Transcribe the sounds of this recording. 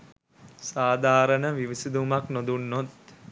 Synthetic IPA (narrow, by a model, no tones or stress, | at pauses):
saːd̪ʱaːɾənəʋiʋisid̪umaknod̪unːot̪